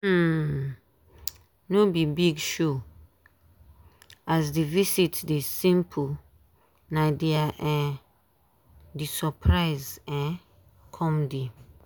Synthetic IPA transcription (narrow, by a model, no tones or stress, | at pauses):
nobibiɡʃo | asdevisitdesĩmpʰu | nãdeaʔɛ̃ | disɔpʰɹaɪzɛ̃ | kʰɔ̃mdi